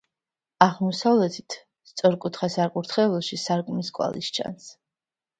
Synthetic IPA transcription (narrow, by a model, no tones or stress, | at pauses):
aʁmɔsavlɛt̪ʰi̥t̪ʰ | st̪sʼɔɾkʼut̪ʰχasaɾkʼuɾt̪ʰχɛlˠɔʃisaɾkʼmiskʼwa̰lḭst͡ʃʰa̰ns